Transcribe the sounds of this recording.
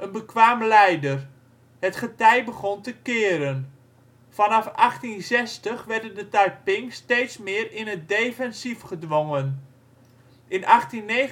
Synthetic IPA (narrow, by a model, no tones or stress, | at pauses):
ʔənbəkʋaːmlɛjdər | hətχətɛjbəχɔntəkɪːɾən | fɑnɑfɑχtinzɛstəχʋɛrdəndətajpɪŋstejtsmɪːrɪnɦət̚dejfɛnsifχədʋoŋən | ʔɪnʔɑχtinːe